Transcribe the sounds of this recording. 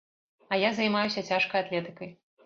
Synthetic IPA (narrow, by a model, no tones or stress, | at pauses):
ɐjazɐjmajusʲɐt͡sʲaʂkɐjat̪lʲɛt̪ɨkɐj